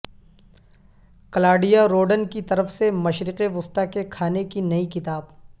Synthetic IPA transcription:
kɐlaːɾɖijaɾoːɖənkit̪ɐɾəfsemɐʃɾɪqeʋʊst̪akekʰaːnekinɐikɪt̪aːb

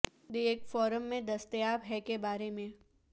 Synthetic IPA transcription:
d̪eeːkfɔːɾəmːẽd̪ɐst̪jaːbɦɛkebaːɾemẽ

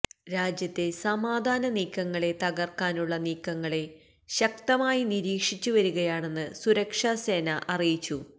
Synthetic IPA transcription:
ɾaːd͡ʑjɐt̪ːe̞sɐmaːd̪ʱaːnɐniːkːɐŋːɐɭe̞t̪ɐɣɐrkaːnuɭːɐniːkːɐŋːɐɭe̞ | ɕɐkt̪ɐmaːjiniɾiːkʂit͡ɕːuʋɐɾuɣɐjaːɳe̞nːɨsuɾɐkʂase̞ːnɐʔɐrijit͡ɕːu

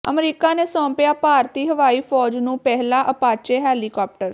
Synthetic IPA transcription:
ə̰mɾiːkanesɔ̃ːmpjapaːɾt̪iɦəʋaːifɔːd͡ʒnũpɛɦlaʔəpaːt͡ʃeɦɛːlikɔːp̚ʈəɾ

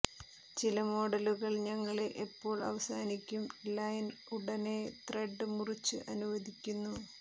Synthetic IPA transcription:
t͡ɕilɐmo̞ːɽɐluɣɐɭɲɐŋːɐɭe̞ʔepːo̞ːɭɐ̰ʋɐsaːnikʲːumlɐjnuɽɐne̞t̪reɖːɨmurit͡ɕːɨ̰ʔɐnuʋɐðikʲːunːu

